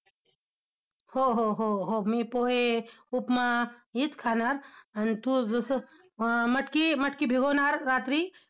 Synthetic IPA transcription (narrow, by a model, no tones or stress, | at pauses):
hoɦoɦoɦomipoːɦeupmajit̪kʰaːnaɾɐnt̪uzs | mɐʈkimɐʈkibʱiɡonaɾːaːt̪ɾi